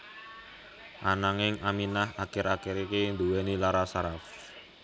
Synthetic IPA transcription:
ʔanaŋɪŋaminaɦakɪɾakeɾikend̪uwenilaɾasaɾaf

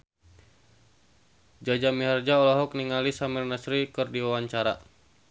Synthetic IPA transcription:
d͡ʒad͡ʒamiɦard͡ʒaɔlaɦɔk̚niŋalisamirnəsɾikɨrdiwawaɲt͡ʃaɾa̰

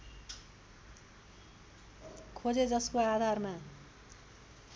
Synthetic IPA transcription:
kʰod͡zed͡zʌskoad̪ʱarma

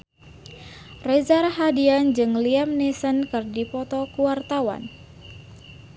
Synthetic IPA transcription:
rɛzarɦadiand͡ʒɨŋliamnisənkɨrdipɔt̪ɔkuwart̪awa̰n

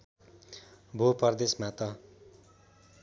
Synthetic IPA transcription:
bʱopʌrd̪esmat̪ʌ

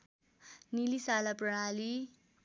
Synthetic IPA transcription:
nilisalaprali

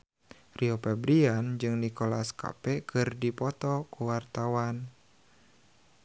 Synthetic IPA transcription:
riɔpɛbɾiand͡ʒɨŋnikolaska̰pɛkɨrdipɔt̪ɔkuwart̪awan

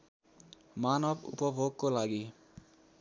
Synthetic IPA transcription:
manɔpṵpɔʋokːolaɡi

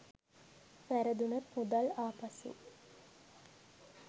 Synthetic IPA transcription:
fæɾəd̪unɐt̪mud̪alaːpasṵ

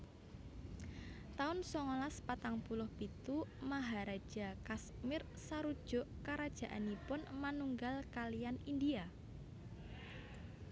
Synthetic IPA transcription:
t̪aʊnsɔŋolaspat̪aŋpulʊhpit̪umaɦaɾad̥ʒ̥a̤kasmɪr | saɾud̥ʒ̥ʊ̤ʔkaɾad̥ʒ̥ä̤ʔa̰nipʊnmanuŋɡalkalijanind̪ia

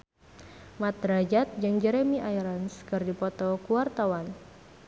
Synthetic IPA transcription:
mat̪̚ɾad͡ʒat̪̚d͡ʒɨŋd͡ʒɛɾemiʔajɾanskɨrdipɔt̪ɔkuwart̪awan

